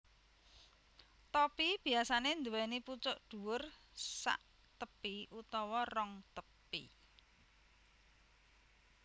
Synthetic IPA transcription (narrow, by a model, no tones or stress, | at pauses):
t̪ɔpib̥i̤asanend̪uwɛniput͡ʃʊʔɖ̪̥ṳwʊrsa̰ʔ | t̪əpiʔut̪ɔwɔrɔŋt̪əpḭ